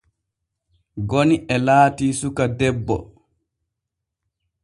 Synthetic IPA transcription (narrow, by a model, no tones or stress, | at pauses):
ɡoniʔɛlaːtiːsukadɛbːɔ̰